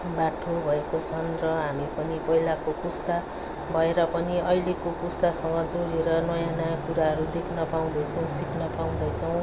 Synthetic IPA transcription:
baʈʰobʱʌekot͡sʰʌnrʌɦamipʌnipʌɦilakokust̪a | bʱʌeɾʌpʌniʌjlekokust̪asʌŋɡʌd͡zoɽeɾʌnʌjãnʌjãkuɾaɦʌɾud̪ekʰnʌpaw̃d̪ʌjt͡sʰʌw̃sikʰnʌpaw̃d̪ʌjt͡sʰʌw̃

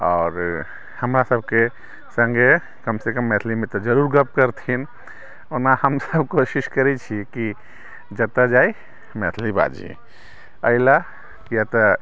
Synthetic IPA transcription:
ɔːɾ | həmɾasəb̚ʱke | sə̃ŋɡʱe | kəmsekəmːɛt̪ʰlimẽt̪ɔd͡ʒəɾuːɾɡəp̚kəɾt̪ʰin | onahəmsəbkoʃiʃkəɾit͡ʃʰiki | d͡ʒət̪ad͡ʒaːi | mɛt̪ʰliba̰d͡ʒḭ | əɪla | jat̪ɔ

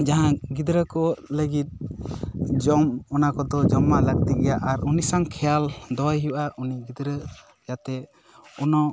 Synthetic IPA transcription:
d͡ʒaɦãɡid̪ɾəkɔləɡit̪̚ | d͡ʒɔmɔnakɔd̪ɔd͡ʒɔmaʔləɡ̚t̪iɡɛjaʔaɾunisaŋkʰɛjald̪ɔjɦiwʔaʔuniɡid̪ɾə | jat̪ɛ | ɔnɔ

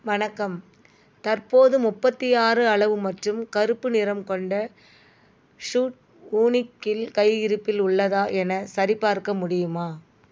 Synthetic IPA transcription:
ʋɐnɐkːɐm | t̪ɐrpoːðɯmʊpːɐt̪ːɪjaːɾɯɐɭɐʋɯmɐʈrɯmkɐɾɯpːɯnɪɾɐmkɔɳɖɐ | ʂuːʈ̚ | uːnɪkːɪlkɐɪɪɾɯpːɪlʊɭːɐðaːʔɛnɐsɐɾɪpːaːɾkɐmʊɽɪjɯmaː

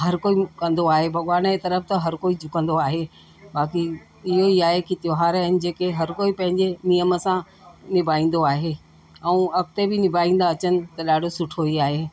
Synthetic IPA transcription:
ɦɐɾkoːikɐ̃nd̪oaːɦebʱɐɠʋaːnd͡ʑet̪ɐɾəfʰt̪ɐɦɐɾkoːid͡ʑʱʊkə̃n̆d̪oaːɦe | baːki | ɪɦoiaːɦekit̪ɪjoɦaːɾəɪnɪ̆d͡ʑeːkeɦɐɾkoːipɐ̃ɦɪ̃ɲd͡ʑenijəmə̆sã | nɪbʱaːĩːn̆d̪oaːɦeː | ɛũɐk̚t̪ebʱɪnɪbʱaːĩːnd̪aːɐt͡ɕənɪ̆t̪ɐɗaːɖʱosʊʈʰoiaːɦeː

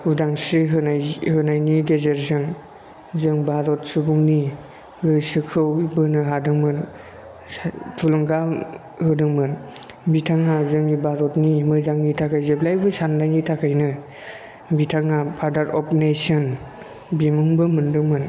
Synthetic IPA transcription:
udaŋsɯɦɯnajhɯnajniɡezeɾzɯŋ | zɯŋbaɾɔt̚subuŋni | ɡɯsɯkʰɯwbɯnɯɦadɯŋmɯn | tʰulɔŋɡa | hɯdɯŋmɯn | bitʰaŋːazɯŋibaɾɔtnimɯzaŋnitʰakʰajzeblajbɯsandajnitʰakʰajnɯ | bitʰaŋapʰadaɾɔpnesɔn | bimuŋbɯmɯndɯŋmɯn

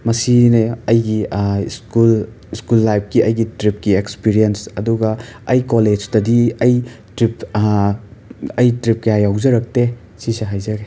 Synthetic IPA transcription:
mɐsineɐjɡiskul | iskulːajp̚ʰkiɐjɡitɾip̚kiekspiɾijensɐduɡɐɐjkoled͡ʒtɐdiɐjtɾip | ɐjtɾip̚kɐjajawzɐɾɐk̚te | siseɦajzɐɡe

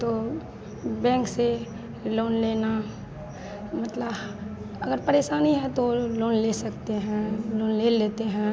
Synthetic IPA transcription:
t̪oː | bɛ̃ːŋkse | loːnleːna | mɐt̪ləb | ɐɡəɾpɐɾeːʃaːniɦɛt̪oloːnleːsɐkt̪eɦɛ̃loːnleːleːt̪eɦɛ̃

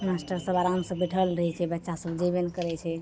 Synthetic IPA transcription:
masʈəɾsəbaɾamsə̃biʈʰəlɾəɦɛt͡ʃʰɛbətːʃasəbd͡ʒebenkəɾɛt͡ʃʰɛ

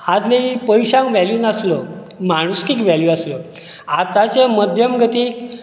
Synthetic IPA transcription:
had̪leipəjɕãŋkʋæljuːnaslə | maɽ̃uskiːkʋɛljuaslə | at̪at͡seməd̪ʱjəmɡʱət̪iːk

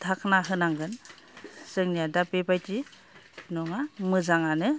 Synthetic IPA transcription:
tʰakʰnaɦɯnaŋɡɯn | sɯŋnijadapebajti | nɔŋamɯzaŋanɯ

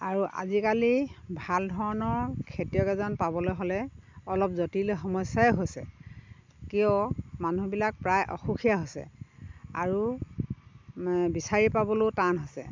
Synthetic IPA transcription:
aɹuʔa̰zikalibʱaldʱɔɹɔnɔɹkʰetijɔkɛzɔnpabɔlojɦɔlɛɔlɔp̚zotiloxɔmɔsjajɦojsɛ̰ | kiɔmanubilak̚pɹajʔɔ̰xukʰijaɦojsɛ̰aɹu | bisaɹipabɔlotanɦojsɛ̰

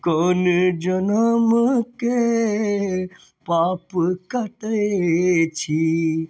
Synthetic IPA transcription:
koːnd͡ʒɐnəmke | paːpkɐʈe | t͡ʃʰi

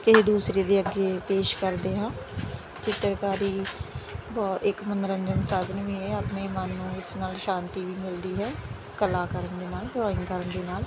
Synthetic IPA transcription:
kɪɦeːd̪uːsɾeːd̪eːəɡeːpeːʃkəɾd̪eːɦãː | t͡ʃɪt̪əɾkaːɾiː | bɔːt̪ɪkmənəɾəɲd͡ʒənsaːd̪ənʋẽeaːpnẽːmənːũːɪsnaːlʃãːnt̪iːʋiːmɪld̪iːɦɛː | kəlaːkəɾənd̪eːnaːlɖɾɔːɪŋɡkəɾənd̪eːnaːl

